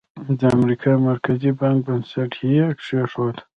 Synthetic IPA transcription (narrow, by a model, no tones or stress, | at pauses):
d̪əamɾikʰɑmaɾkʰazibɑŋk̚bənsaʈiekʂeʂod̪